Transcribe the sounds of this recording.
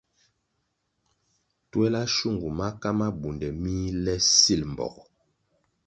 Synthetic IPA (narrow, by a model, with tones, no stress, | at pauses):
twɛ˦la˦ʃu˦˨ŋɡu˨ma˦ka˦ma˦bu˨ndɛ˨mi˦lɛ˦si˦lm˨bɔ̰˨k